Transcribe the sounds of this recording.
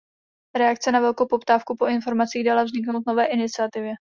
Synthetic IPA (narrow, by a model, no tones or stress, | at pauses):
ɾɛakt͡sɛnavɛlko̞wpo̞pt̪aːfkupo̞ɪnfo̞ɾmat͡siːɣdalavzɲɪknowt̪̚no̞vɛːʔɪnɪt͡sɪat̪ɪvjɛ